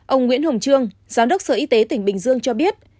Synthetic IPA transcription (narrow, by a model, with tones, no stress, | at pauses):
ʔə˧wŋwḭ˧˥ənho˨˩ŋ͡mt͡ɕɨ˧əŋzaː˨˦mɗə˦˥k͡p̚səː˧˩ʔi˧t̪e˨˦t̪ï˧˩ŋ̟ɓï˨˩ŋ̟zɨ˧əŋt͡ɕɔ˧ɓi˦˥ət̚